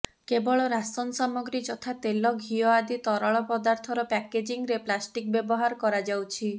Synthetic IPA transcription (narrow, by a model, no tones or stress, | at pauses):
kebɔɭɔɾasɔnsɔmɔɡɾid͡ʒɔt̪ʰat̪elɔɡʱiɔad̪it̪ɔɾɔɭɔpɔd̪aɾt̪ʰɔɾɔpɛked͡ʒiŋɾeplasʈik̚bjɔbɔɦaɾɔkɔɾad͡ʒawt͡ʃʰi